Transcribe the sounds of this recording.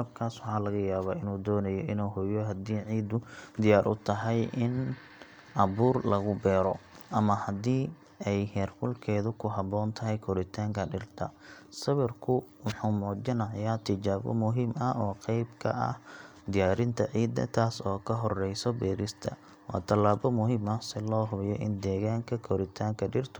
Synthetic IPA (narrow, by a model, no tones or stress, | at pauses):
ɐb̚kʰaːswɑħɑːlɐɣɐjaːβaːɪnuːd̪ɔːnɐjɔʔɪnuːɦɔjɔɦɐd̪iːʕiːd̪ʊd̪ɪjaːɾʔʊ̰t̪ʰɐɦɛjʔɪn | ʔɐβuːrlɐɣʊbɛːɾɔ | ʔɐmɐhɐd̪iː | ɛjhɛːrfʊlkʰɛːðʊkʰʊɦɑbɔːnt̪ʰɐɦɛjkʰɔɾɪt̪ʰaːŋkʰɐɖɪrt̪ʰɐ̰sɐβɪrkʰʊwʊħuːmɔːd͡ʒɪnɐʕjaːt̪ʰɪt͡ʃaːβɔ̰mʊɦiːmɐɔːqɛjbkʰɐ̰ʔɐ̰h | d̪ɪjaːɾɪnt̪ʰɐʕiːd̪ːɐ̰t̪ʰaːsɔːkʰɐɦɔrɛjsɔbɛːɾɪst̪ʰɐ̰ | wɑ̰ːt̪ʰɐlaːβɔmʊɦimɐsɛlɔːɦʊβjɔ̰ʔɪ̰nd̪ɛːɣaːŋkʰɐkʰɔɾɪt̪ʰaːŋkʰɐɖɪrt̪ʰʊ̥